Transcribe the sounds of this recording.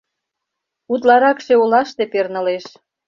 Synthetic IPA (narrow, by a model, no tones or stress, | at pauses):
ut̪̬lɑɾɑkʃeulɑʃt̪epernə̆leʃ